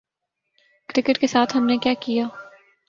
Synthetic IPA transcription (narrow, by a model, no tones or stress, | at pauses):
kɾɪkəʈkesaːt̪ʰɦɐmnekjaːkijaː